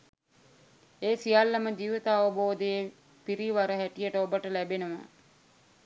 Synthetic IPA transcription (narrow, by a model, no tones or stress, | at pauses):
eːsijalːɐməd͡ʒiːʋit̪əːʋəboːd̪eje | piɾiʋaɾəɦæʈijəʈəobəʈəlæbenuʋa̰